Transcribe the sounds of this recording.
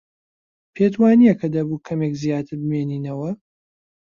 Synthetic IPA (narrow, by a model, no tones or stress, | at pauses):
pʰet̪waːnijɛkʰɐd̪ɐbuːkʰɐmekzijaːt̪ʰɨɾbɨmeːniːnɐwɐ